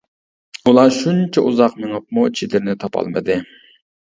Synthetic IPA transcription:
ulˠɑʃunt͡ʃʰɛʔuzɑqmɪŋɑp̚mut͡ʃʰid̪ɪɾnɪt̪ʰɑpʰɑ̰lˠmɨ̰d̪ɪ

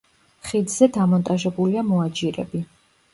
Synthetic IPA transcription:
χid̪zɛd̪amɔnt̪ʼaʒɛbuliamɔad͡ʒiɾɛ̰bi

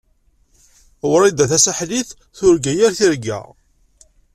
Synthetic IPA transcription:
wɾˤid̪æθæsaħliθ | θʊɾɡæjæɾθiɾɡæ̰

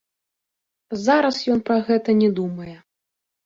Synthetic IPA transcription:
zaɾɐsjɔnpɾɐɣɛt̪ɐnʲɛd̪umɐjɛ

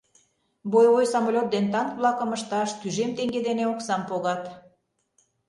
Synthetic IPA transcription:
bojojsɑmolʲot̪̚d̪ent̪ɑnk̪βlˠɑkə̆məʃt̪ɑʃt̪yʒemt̪eŋɡed̪eneoksɑmpoɣɑt̪

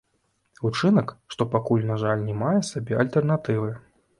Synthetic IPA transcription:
ut͡ʂɨnɐkʂt̪ɔpakulʲnaʐalʲnʲɛmajɛsabʲɛɐlʲt̪ɛrnat̪ɨvɨ

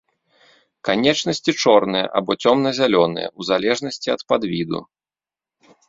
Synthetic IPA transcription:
kanʲɛt͡ʂnɐsʲt͡sʲit͡ʂɔrnɨjɐ̰ʔa̰bɔt͡sʲɔmnɐzʲalʲɔnɨ̰jɐ̰uzalʲɛʐnɐsʲt͡sʲiɐt̪pad̪vʲid̪ṵ

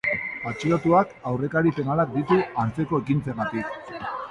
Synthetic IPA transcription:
pat͡ʃiɾat̪uakawre̞kaɾipe̞nalak̚d̪it̪uaɾt͡se̞ko̞e̞kint͡seŋɡat̪ik

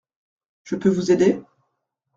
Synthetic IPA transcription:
ʒ̥əpøvuzed̪e

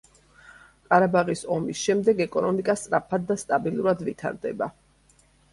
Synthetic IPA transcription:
qʼaɾabaʁisɔmisʃɛmd̪ɛɡɛkʼɔnɔmikʼast̪sʼɾapʰad̪ːast̪ʼabilˠuɾad̪vit̪ʰa̰ɾd̪ɛ̰ba

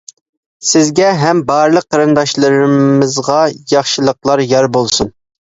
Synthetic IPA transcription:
sɪzɡʲɛɦɛmbɑɾɨlˠəq̚ʰːɑɾɨnd̪ɑʃlˠɨɾɨmɨzʁɑjɑχʃɨlˠəqlˠɑɾjɑɾbolˠsun

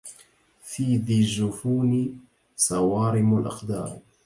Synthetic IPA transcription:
fiːðiːʒʊfuːnɪ | sɑwɑːɾɪmalʔɑ̰qd̪ɑ̰ːɾˤ

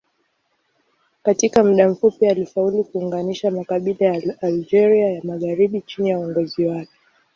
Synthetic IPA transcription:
katikam̩ɗam̩fupialifaulikuːŋɡaniʃamakaɓilajaːld͡ʒɛɾiajamaɣaɾiɓit͡ʃinijauɔŋɡɔziwakɛ̥

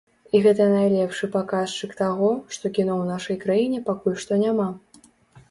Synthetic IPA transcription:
iɣɛt̪ɐnajlʲɛpʂɨpakaʂt͡ʂɨkt̪aɣɔʂt̪ɔkʲinɔwnaʂɐjkɾajinʲɛpakulʲʂt̪ɔnʲama

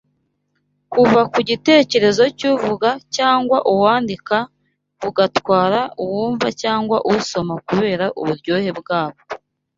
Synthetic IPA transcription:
kuvakuɟite̞ːce̞ɾe̞zo̞cuvuɡacaːŋɡwaʔuwaːndika | uɡatwaːɾauwuːɱvacaːŋɡwa̰ʔuso̞makuβe̞ːɾaʔṵβuɾɟo̞ːhe̞bɡaːβo̞

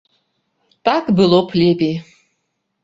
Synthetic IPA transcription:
tʼakʼbɨlopʰlʲepʼi

